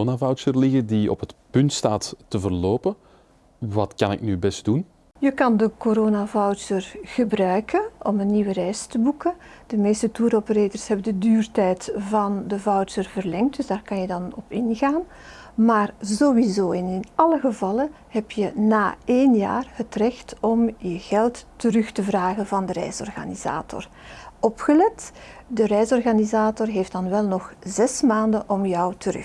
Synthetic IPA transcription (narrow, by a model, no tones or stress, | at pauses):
navɑwtsərlɪɣədiɔ̰pɦətpʏntstaːtːəvərloːpə | ʋɑtkɑ̰nɪ̰knybɛst̚d̥un | jəkɑndəkoɾoːnavɔwsərɣəbrœɥkʰəʔɔmənːiwərɛjstəbukə | d̥əmeːstətuːɾopəɾeːdərsɦɛbəndədyːrtɛjtvɑndəvɑwtsərvərlɛŋt̚d̥ʏzdaːrkɑnjədɑnɔpɪnɣaːn | maːrzowizoːɛnɪnɑləɣəvɑlən | ɦɛpjənaːeːnja̰ːrɦətrɛxtɔmjəɣɛlˠttəɾʏxtəvraːɣənvɑndəɾɛ̰jsɔ̰rɣa̰niz̥a̰ːtʰɔ̰r | ɔpxəlɛtdəɾɛjsɔrɣaːnizaːtɔrɦeːft̚d̥ɑnʋɛlˠnɔχzɛsmaːndənʔɔmjɔwtʰəɾɵ̰